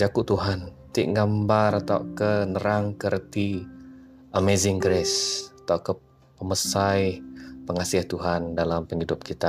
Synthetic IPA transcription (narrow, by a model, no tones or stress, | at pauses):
d͡ʒakuʔt̪uɦant̪ɪʔŋɡambarat̪awkənəɾaŋkərt̪i | əmezɪŋɡɾɛsat̪awkə | pəməsajpəŋasiaht̪uɦandalampəŋidʊp̚kit̪a